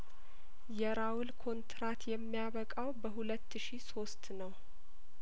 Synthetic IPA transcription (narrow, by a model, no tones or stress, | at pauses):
jɛɾawʊlkʰo̞nt̪ɾat̪jɛmːijaβəkʼawbəɦulət̪ːɨʃiso̞st̪nəw